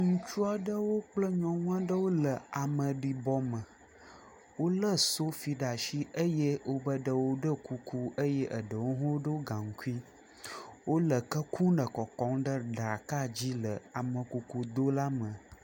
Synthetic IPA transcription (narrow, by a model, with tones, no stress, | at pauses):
ŋũ˨t͡ʃu˦a˦ɖə˦wo˦k͡plə˦ɲɔ̃˨ŋ̃˦ã˦ɖə˦wo˦lə˨a˨mə̃˨ɖi˨bɔ˦mə̃˨ | wo˦lə˦so˦fi˨ɖa˨ʃi˦ʔə˦je˦wo˦bə˦ɖə˨wo˦ɖə˦ku˨ku˦ə˦jɛ˦ʔə˨ɖə˨wo˦ɦõ˦wo˦ɖə˦wo˦ɡã˨ŋ̩˨ku˦i˦ | wo˦lə˨kə˦ku˦nə˨kɔ˨kɔ̃˦ŋɖə˦ɖɾa˨ka˦d͡ʑi˦lə˨a˨mə̃˨ku˨ku˨d̪o˦la˦mə̃˨